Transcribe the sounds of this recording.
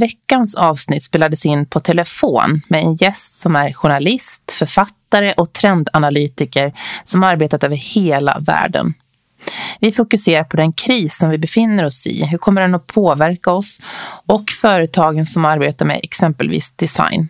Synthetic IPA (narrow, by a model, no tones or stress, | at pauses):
vɛkːansɑːvsnɪt̪ːspeːlad̪əsɪnːpʰɔt̪ʰɛləfo̰ːnmɛɛnjɛst̪sɔmæɾɧʊɳalɪst̪fœɾfat̪ːaɾəʔɔk̚t̪ʰɾɛnd̪analyːt̪ɪkəɾsɔmhaɾbeːt̪at̪øːvəɾheːla̰væ̰ːɖə̰n | vɪfʊkɵseːɾaɾpʰɔd̪ɛnkʰɾiːsːɔmvɪbɛfɪnːəɾɔsɪ̰ɦɵɾkʰɔmːəɖɛnɔpʰoːvæɾkaɔsɔkfœːɾət̪ʰɑːɡənsɔmaɾbeːt̪aɾmɛ̰ɛ̰ksɛmpəlvḭːsd̪ɛsa̰jn